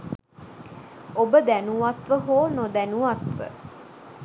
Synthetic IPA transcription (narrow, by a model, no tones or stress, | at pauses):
obəd̪ænuʋat̪ʋəɦoːnod̪ænuʋat̪ʋə̰